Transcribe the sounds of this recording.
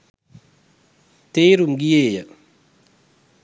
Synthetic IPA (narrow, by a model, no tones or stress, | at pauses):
teːɾumɡijeːjɐ